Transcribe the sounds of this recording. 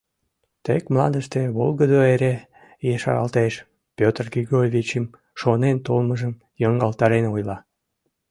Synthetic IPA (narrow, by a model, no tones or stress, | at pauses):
t̪ekmlɑ̰nd̪əʃt̪eβolɣəd̪oeɾe | jeʃɑ̰ɾɑ̰lt̪eʃ | pʲøt̪rɡiɡorʲvʲit͡ɕəm | ʃonent̪olməʒəm | jɑŋɡɑlt̪ɑɾenojlɑ